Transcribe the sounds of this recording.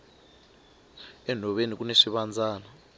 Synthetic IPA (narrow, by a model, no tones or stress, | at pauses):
ɛn̤ʱɔɓenik̬uneʂiɓand͡zʱaːna